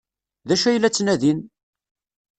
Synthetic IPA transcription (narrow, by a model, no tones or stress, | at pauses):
ðæʃæjlːæt͡sːnæðin